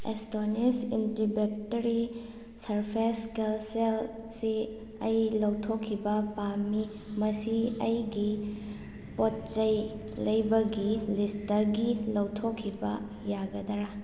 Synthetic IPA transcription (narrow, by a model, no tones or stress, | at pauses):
ḛstonisindibek̚tɐɾi | sɐɾpʰeskelselsi | ɐ̰jlɐwtʰokʰːibɐpami | mɐsiɐjɡi | pot̚t͡ʃɐjlɐjbɐɡilistɐɡilɐwtʰokʰːibɐ̰ | jaɡɐdɐɾa